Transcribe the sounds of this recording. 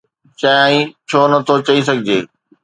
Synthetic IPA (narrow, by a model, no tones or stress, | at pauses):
t͡ɕɐãːĩt͡ɕʰoːnɐt̪ʰot͡ɕɐis̬ɐɡʱɪd͡ʑeː